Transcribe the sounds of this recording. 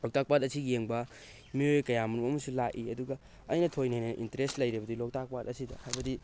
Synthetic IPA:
lok̚tak̚patɐsiɡijeŋbɐ | miojkɐjamunumɐmɐsulaʔiɐduɡɐ | ɐjnɐtʰojnajnɐnɐʔintɐɾestlɐjɾibɐdilok̚tak̚pat̚ɐsidɐ̰hajbɐdi

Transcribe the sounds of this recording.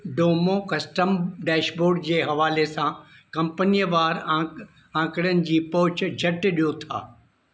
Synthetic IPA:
ɖoːmokɐsʈəmɖɛːʃboːɾɖd͡ʑeːɦɐʋaːlesã | kɐ̃mpənijʋaːɾ | ãːkɪɽijənɪ̆d͡ʑiːpɔɦʊt͡ɕ̆d͡ʑʱɐʈɪ̆ɗijot̪ʰa̰ː

